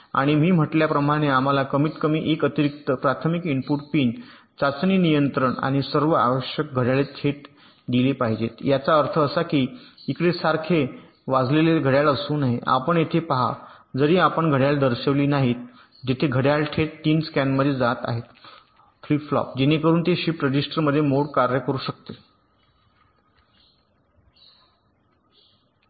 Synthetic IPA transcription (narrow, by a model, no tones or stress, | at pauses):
a̰ɽ̃imiːm̤əʈljapɾəmaɽ̃eam̤alakəmiːt̪kəmiːʔekət̪iɾik̚t̪əpɾat̪ʰmikimpuʈpiːn | t͡sat͡sniːnijənt̪ɾəɳa̰ɽ̃isəɾʋəa̰ʋəɕjək̚ɡʱəɽjalet̪ʰeʈ̚ | ɖ̪ilepaɦid͡ʑet̪jat͡saəɾt̪ʰəːsakiːikɽesaɾkʰe | ʋad͡zleleɡʱəɽjaləsuːnaɦeʔa̰pəɳjet̪ʰepaɦa̰d͡zəɾiːapəɳɡʱəɽjald̪əɾɕəʋliːnaɦiːt̪̚ | d͡ʑet̪ʰeɡʱəɽjalʈʰeʈʈiːnskænməd̪ʱːjed͡zat̪a̰ɦet̪ | flipflɔ̰p̚d͡ʑenekəɾuːnt̪eɕiːpɾəd͡ʑisʈəɾməd̪ʱːjemoɽkaɾjəkəɾuːɕək̚t̪e